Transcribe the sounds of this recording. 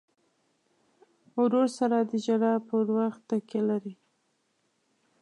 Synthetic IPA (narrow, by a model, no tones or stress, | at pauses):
wɾoɾsaɾad̪əd͡ʒaɾɑpəɾwaxt̪ːakelaɾi